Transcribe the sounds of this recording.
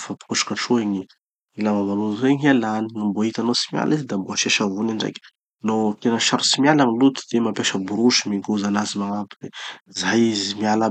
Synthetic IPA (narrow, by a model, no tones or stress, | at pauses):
fapi̥kuʈ͡ʂu̥kaʈ͡ʂueɲi | ilavavalueɲalaninimboit̪anosi̥mja̰lizid̪amboaʃeʃavuniɳɖ͡ʐḛjkʲ | not̪enəʃaɾu̥simialaŋilut̪u̥d̪̥emapjaʃəbuɾuʃmiŋɡuzanazimaŋapid̪ezajizimiala